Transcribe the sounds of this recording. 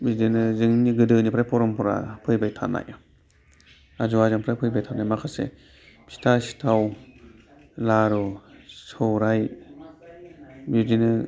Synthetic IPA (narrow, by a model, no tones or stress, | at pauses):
bidinɯzɯŋniɡɯdɯnipʰɾajpʰɔɾɔmpʰɔɾa̰pʰɯjbajtʰa̰na̰ja | azuazaŋpʰɾapʰɯjbajtʰanajmakʰasḛ | pʰi̥tʰasi̥tʰaw | laɾɔsɔwɾaj | bidinɯ